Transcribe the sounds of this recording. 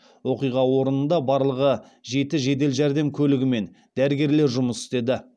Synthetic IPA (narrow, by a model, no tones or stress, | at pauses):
wo̞qijʁɑwo̞ɾənənd̪ɑbɑɾlˠəʁə | ʒe̞t̪ɪʒe̞d̪e̞lʒæɾd̪e̞mkʲʰɵlɪɡʲɪme̞n | d̪æɾɪɡʲe̞ɾle̞ɾʒʊməsɪ̥st̪e̞d̪ɪ